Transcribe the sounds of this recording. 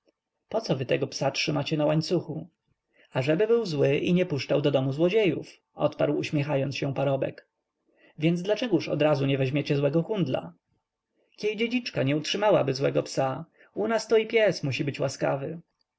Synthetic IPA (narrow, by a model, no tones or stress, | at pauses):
pɔt̪sɔvɘt̪ɛɡɔpsatʂɘmat͡ɕɛnawaɲt̪suxu | aʐɛbɘbɘwzwɘʔiɲɛpuʂt͡ʂawd̪ɔd̪ɔmuzwɔd͡ʑejṵf | ʔɔ̰t̪paɾwuɕmʲjɛxajɔnsɕɛ̃paɾɔbɛ̰k | vʲjɛnd̪zd̪lat͡ʂɛɡuʂɔ̰d̪ɾazuɲɛvɛʑmʲjet͡ɕɛzwɛɡɔxund̪la̰ | kʲjejd͡ʑed͡ʑit͡ʂkaɲɛutʂɘmawabɘzwɛɡɔpsa | unast̪ɔipʲjɛsmuɕibɘt͡ɕwaska̰vɘ